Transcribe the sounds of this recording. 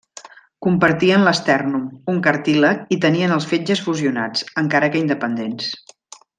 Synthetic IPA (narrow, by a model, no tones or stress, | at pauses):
kumpəɾt̪iənləst̪ɛrnumuŋkəɾt̪ilək̚it̪əniənəlˠsfed͡ʒəsfuziuna̰t͡səŋkaɾəkəind̪əpənd̪ens